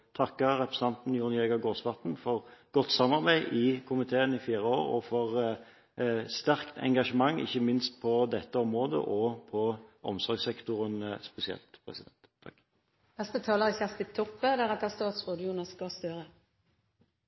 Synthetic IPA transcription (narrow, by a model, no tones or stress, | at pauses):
t̪ʰɑkːəɾɛpɾəsn̩ʰɑnt̪n̩jʊʁnɪɛːɡɑɡoːsʋɑt̪n̩fɔʁɡ̥ɔt̪ːsɑmːɑʁbæɪʔɪkʰʊmɪt̪ʰeːənɪfiːɾəoːʁɔ̰fɔʁ | st̪æʁkt̪ʰɛ̰ŋɡɑʂəmɑŋːɪ̰çːəmɪnst̪̚pʰɔd̪ɛt̪ːəɔmʁoːd̪ə̰ʔɔpʰɔʔɔ̰msɔɾɡsɛkt̪ʊʁənspɛsɪɛ̰lt̪pʰɾɛ̰sɪd̪ɛ̰nt̪ʰ | nɛst̪ət̪ʰɑːləʁɪçɛst̪ɪt̪ʰɔpːəd̪æɾɑt̪̚d̪æst̪ɑːt̪sʁoːd̪juːnɑskɑst̪œɾə